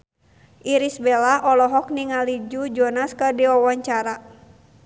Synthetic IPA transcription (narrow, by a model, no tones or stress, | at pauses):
ʔiɾisbɛlaʔɔlɔɦɔk̚niŋalid͡ʒud͡ʒɔnaskərdiɔwaɲt͡ʃaɾa